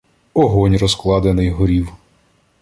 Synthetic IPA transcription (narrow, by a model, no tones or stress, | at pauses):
ɔɦɔnʲrɔsklˠɑd̪enɪjɦɔɾʲiw